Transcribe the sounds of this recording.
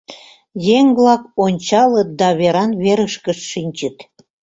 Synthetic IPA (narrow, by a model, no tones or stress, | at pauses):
jeŋβlɑkonʲt͡ɕɑlət̪̚d̪ɑβeɾɑnβeɾəʃkəʃːinʲt͡ɕət̪